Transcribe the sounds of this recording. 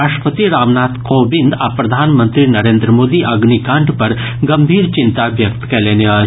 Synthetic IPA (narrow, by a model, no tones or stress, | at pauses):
aːʃʈpət̪iɾaːʋnaːt̪koːbɪ̃nd̪apɾɐd̪ʱaːnmə̃nt̪ɾinɐɾeːnd̪ɾəmoːd̪iʔɐɡnikãːɳɖpɐɾ | ɡɐmbʱiːɾt͡ʃɪnt̪aʋjɐkt̪kɛːleːnea